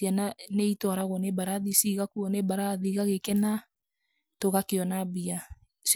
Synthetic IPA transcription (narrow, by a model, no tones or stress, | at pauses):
iananeitɔaɾaɣɔnebaɾaðisiɣakuɔnebaɾaðiɣaɣekɛna | toɣakeɔnabia | s